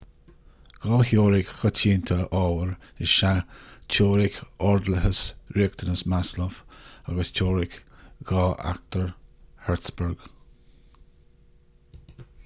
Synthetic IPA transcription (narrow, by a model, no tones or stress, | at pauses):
ɡ̥ɔːhjoːɾɪkxɔt͡ʃʰiːnt̪ʰəʔɔːwəɹɪʃat͡ʃʰoːɾɪkɔɹd̪ləɦəsɹiək̚t̪ʰənəsmasləfaɡəst͡ʃʰoːɾɪkɡ̥ɑːʔa̰k̚t̪əɹhɛɹtsbəɹɡ̥